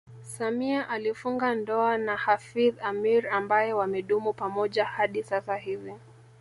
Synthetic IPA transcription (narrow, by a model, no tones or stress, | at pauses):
samiaʔalifuŋɡandɔanahafiðamiɾambajɛwamɛɗumupamɔʄahaɗisasahivi